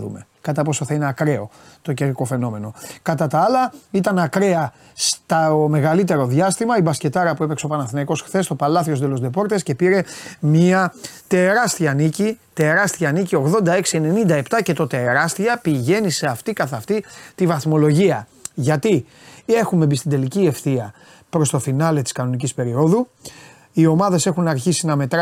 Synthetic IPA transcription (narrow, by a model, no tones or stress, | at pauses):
ðṵme̞ | kɐt̪ɐpo̞soθɐineɐkɾe̞o̞ | t̪o̞ceɾɾiko̞fe̞no̞me̞no̞kɐt̪ɐt̪ɐɐlɐit̪ɐnɐkɾe̞ɐ | st̪ɐome̞ɣɐlit̪e̞ɾo̞ðʝɐst̪imɐibɐsce̞t̪ɐɾɐpue̞pekseo̞pɐnɐθnɐiko̞sxθe̞st̪opɐlɐθio̞zd̪elo̞zd̪e̞po̞ɾt̪e̞sce̞piɾe̞mɲiɐt̪e̞ɾɐst̪iɐːnicit̪e̞ɾɐst̪iɐːnicio̞ɣðo̞nd̪ɐe̞ksiene̞nind̪ɐept̪ɐce̞t̪o̞t̪e̞ɾɐst̪iɐpiʝe̞nise̞ɐft̪ikɐθɐft̪it̪ivɐθmo̞lo̞ʝiɐ | ʝɐt̪i | e̞xume̞bist̪ind̪e̞licie̞fθiɐ | pɾo̞st̪o̞finɐle̞t̪i̥skɐno̞nicispe̞ɾio̞ðu | io̞mɐðe̞se̞xunɐɾçisinɐme̞t̪ɾ